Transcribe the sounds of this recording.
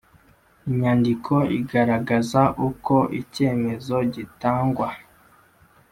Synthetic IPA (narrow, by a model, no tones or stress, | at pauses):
iɲaːndikʰo̞ḭɡaɾaɡazaʔuko̞ʔice̞ːme̞zo̞ɟitaːŋɡwa